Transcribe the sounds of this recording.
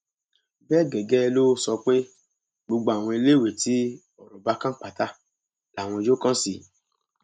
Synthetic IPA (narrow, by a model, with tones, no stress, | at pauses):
bɛː˦˨ɡɛ˨ɡɛ˦˧lo˦sɔ˧k͡pe˦ | ɡ͡bo˧ɡ͡ba˧a˨w̃ɔ̃˧i˧le˦˨we˨ti˨˦ | ɔ˨ɾũ˨ba˧˦kã˦k͡pa˨ta˦ | la˨w̃ɔ̃˧d͡ʒo˦kɔ̃˦si˧˨